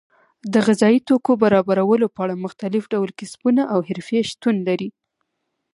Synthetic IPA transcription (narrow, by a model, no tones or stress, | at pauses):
d̪əɣɪzɑit̪okobaɾɑbaɾawəlopəaɽamʊxt̪alɪfɖawlkɪsbunaʔawɦɪɾfeʃt̪unlaɾi